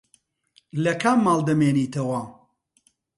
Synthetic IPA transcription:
lɐkʰaːmːaːlˠd̪ɐmeːniːt̪ʰɐwa

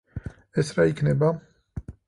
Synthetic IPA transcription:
ɛsɾaikʰnɛbam

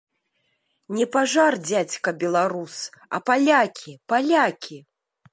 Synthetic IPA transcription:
nʲɛpaʐard͡zʲat͡sʲkɐbʲɛlˠaɾusɐ̰palʲakʲʰipalʲakʲi

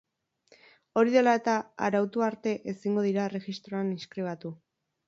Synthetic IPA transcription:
o̞ɾiðe̞laet̪aa̰ɾawt̪uaɾt̪e̞ʔesiŋɡo̞ðiɾare̞ɣist̪ɾo̞aniskɾiβ̞at̪u

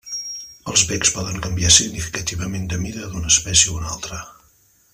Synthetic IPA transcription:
əlˠzβɛkspɔðəŋkəmbiasiɡnifi̥kət̪iβəmend̪əmiðəðunəspɛsjəunalˠt̪ɾə

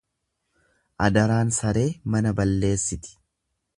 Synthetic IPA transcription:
ʔɐd̪ɐɾaːnsɐɾe̞ːmɐnɐbɐlːe̞ːsːɪt̪ɪ̥

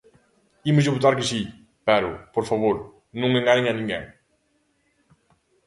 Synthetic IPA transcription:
imʊzʎɪβut̪aɾkɪʃi | pɛɾʊ̰poɾfaβoɾ | nũŋeŋɡanẽŋɐnĩŋɡḛ̃ŋ

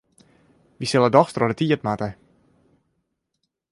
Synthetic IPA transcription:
ʋisɪlˠədɔxstrɔdətiətmatə

